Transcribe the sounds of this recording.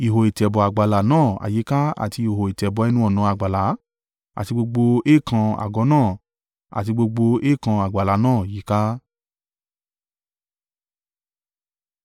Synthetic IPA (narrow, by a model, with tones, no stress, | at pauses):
i˨ɦo˨i˨tɛ˨bɔ˨a˨ɡ͡ba˨la˨nãː˦˨a̰˨ji˨˦ka˦a̰˨ti˧˨ho˨i˨tɛ˨bɔ˨˦ɛ˦˧nũ˦ɔ˦˨nã˨˧˦a˨ɡ͡ba˨la˨˦ | a̰˨ti˧ɡ͡bo˧ɡ͡bo˧e˦˨kʰã˧a̰˨ɡɔ˨˦nãː˦˨ | a̰˨ti˧ɡ͡bo˧ɡ͡bo˧e˦˨kã˧a˨ɡ͡ba˨la˨˦nãː˦˨ji˨˦ka˦